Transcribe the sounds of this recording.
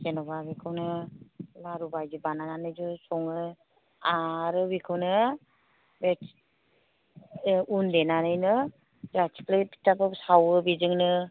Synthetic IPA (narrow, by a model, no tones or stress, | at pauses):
senɔbabikʰɯwnɯlaɾubajd͡ʒɯbanananɯjd͡ʒɯsɔŋɯ | aɾɯbikʰɯwnɯ | bet | undenanɯjnɯ | zat͡ʃʰi̥plɯpi̥tabɯbsawɯbizɯŋnɯ